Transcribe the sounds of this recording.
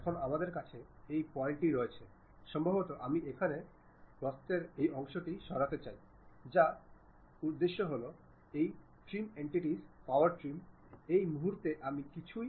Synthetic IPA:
ɛkʰonamad̪eɾkat͡ɕʰe | ejpɔeɳʈiɾɔet͡ɕʰe | ʃɔmbʱobot̪oʔamiʔekʰane | pɾɔst̪eɾejɔŋʃoʈiʃɔɾat̪et͡ɕaj | d͡ʑa | ud̪ːeʃːoɦolo | ej | ʈɾimeɳʈiʈispawaɾʈɾim | ejmuɦuɾt̪eʔamikit͡ɕʰu

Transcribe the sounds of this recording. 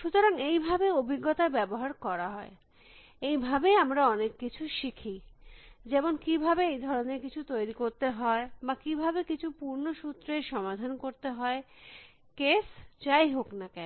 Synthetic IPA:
ʃut̪oɾaŋejbʱabeobʱiɡːot̪abɛboɦaɾkɔɾaɦɔe | ejbʱabeamɾaɔnekːit͡ɕʰuʃikʰi | d͡ʑemonkibʱabeejd̪ʱɔɾoneɾkit͡ɕʰut̪ojɾikoɾt̪eɦɔebakibʱabekit͡ɕʰupuɾnoʃut̪ːɾeɾʃɔmad̪ʱankoɾt̪eɦɔe | kest͡ɕajɦoknakɛ

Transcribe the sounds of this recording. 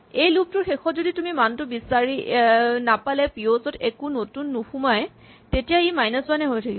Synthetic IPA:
ejlup̚tʊɹxexɔtzoditumimantʊbisaɹinapalɛpiozɔtekunotunːuxumaj | tetijaimajnasanɛɦojtʰakibɔ

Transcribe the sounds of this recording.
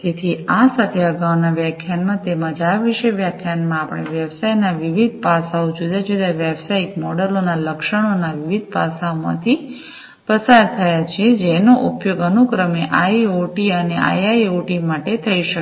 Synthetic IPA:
d͡ʒ̪et̪ʰiasat̪ʰeəɡawnaʋjakʰjanmãt̪emãd͡ʒaʋiʃeʋjakʰjanmãapəɳ̃eʋjəʋsajnaʋiʋid̪̚ʱpasaod͡ʒud̪ad͡ʒud̪aʋjəʋsaikmɔɽəlonaləkʃəɽ̃onaʋiʋid̪̚ʱpa̰saomã̰t̪ʰi | pəsaɾt̪ʰəjat͡ʃʰed͡ʒenoʔupjoɡənukɾəmeʔaioʈiənea̰jaioʈimaʈet̪ʰəiʃə

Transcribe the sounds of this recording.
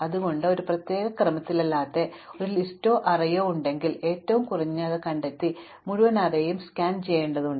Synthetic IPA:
ɐðuɣo̞ɳɖɨo̞ɾuprɐt̪je̞ːɣɐkrɐmɐt̪ːilɐlːaːt̪ːe̞o̞ɾulisto̞ːʔɐrɐjoːuɳɖe̞ŋɡile̞ːtːɐʋumkurɐɲːɐɐðɨkɐɳɖet̪ːi | muɻuʋɐnɐrejejumskaːnt͡ɕe̞jːeːɳɖɐðuɳɖ

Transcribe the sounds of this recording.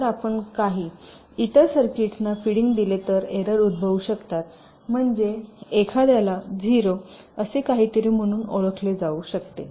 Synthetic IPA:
ɾapəɳkaɦiː | it̪əɾsəɾkiʈnafiɽiŋɡd̪ilet̪əɾeɾəɾud̪̚bʱəʋuɕəkt̪at̪̚ | m̤əɳd͡zeekʰad̪jalad͡zʱiɾo | əsekaɦiːt̪əɾiːm̤əɽ̃uːnoɭəkʰled͡zauɕəkt̪e

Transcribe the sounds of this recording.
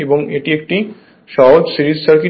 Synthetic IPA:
eboŋeʈiek̚ʈi | ʃɔɦod͡ʒsiɾit̪saɾki

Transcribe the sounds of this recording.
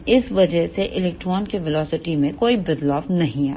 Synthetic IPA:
ɪsʋɐd͡ʒəseʔɪlɛːk̚ʈɾɔːnkeʋɪlɔːsɪʈimẽkoːibɪd̪lɔːʋnɐɦĩaː

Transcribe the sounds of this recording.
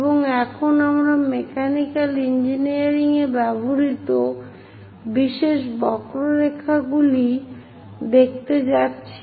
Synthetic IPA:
boŋɛkʰonamɾamekʰanikalind͡ʑiniaɾiŋebɛbʱoɾit̪o | biʃeʃbɔkɾoɾekʰːaɡuli | d̪ek̚ʰt̪ed͡ʑatːɕʰi

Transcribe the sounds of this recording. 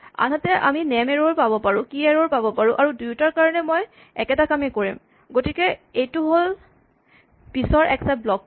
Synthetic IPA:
a̰nɦatɛʔa̰minɛmeɹoɹpabɔpaɹũkiɛɹoɹpabɔpaɹũʔaɹudujutaɹkaɹɔnɛmoj | ɛ̰kɛtakamɛkoɹḭm | ɡotikɛejtʊɦol | pisɔɹʔɛksablɔk

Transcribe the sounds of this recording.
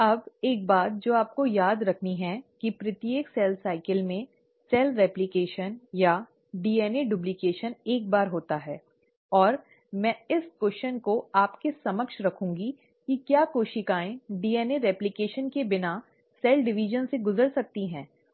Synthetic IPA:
ɐbeːk̚baːt̪̚d͡ʒoːaːp̚kojaːd̪ɾɐkʰniɦɛ̃kipɾɪt̪jeːksɛːlsaːɪkəlmẽ | sɛːlɾɛːplɪkeːʃənja | ɖiːɛːneɖʊblɪkeːʃəneːk̚baːɾɦoːt̪aɦɛː | ɔːɾ | mɛ̃ːɪskwɛst͡ʃənkoaːpkesɐməkʃɾɐkʰũːŋɡi | kikjaːkoːʃɪkaːẽɖiːɛːneɾɛːplɪkeːʃənkebɪna | sɛːlɖɪʋiʒənseɡʊzəɾsɐk̚t̪iɦɛ̃ː

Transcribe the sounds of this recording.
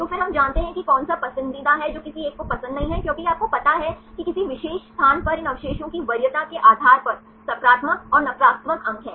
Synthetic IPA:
t̪oːfɪɾɦɐmd͡ʒaːnt̪eɦɛ̃kikɔːnsapɐsɪ̃nd̪id̪aɦɛd͡ʒoːkɪsieːkkːopɐsə̃nd̪nɐɦĩɦɛkjõːkiaːp̚kopɐt̪aɦɛkikɪsiʋɪʃeːʃst̪ʰaːnpɐɾɪ̃nɐʋɪʃeːʃõkiʋɐɾjət̪akeʔaːd̪ʱaːɾpɐɾ | sɐpɾaːt̪mək̚ɔːɾnɐpɾaːp̚t̪məkɐ̃ŋɡɦɛː

